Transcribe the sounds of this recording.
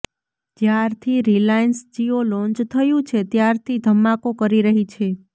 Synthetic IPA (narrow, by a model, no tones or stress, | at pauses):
d͡ʒjaɾt̪ʰiɾilainsd͡ʒiolɔ̃nt͡ʃt̪ʰəjũt͡ʃʰet̪jaɾt̪ʰid̪ʱəmːakokəɾiɾəɦit͡ʃʰe